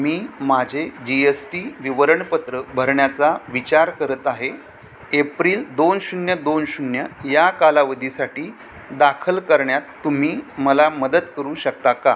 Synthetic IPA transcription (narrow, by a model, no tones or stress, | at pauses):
miːmad͡ʑʱed͡ʑiesʈiʋiʋɾəɳpət̪ɾəbʱəɾɳjat͡saʋit͡ɕaɾkəɾət̪aɦe | epɾiːld̪onɕunjəd̪onɕunjəjakalaʋəd̪ʱisaʈiː | d̪akʰəlkəɾɳjat̪ːum̤iːməlaməd̪ət̪kəɾuːɕək̚t̪aka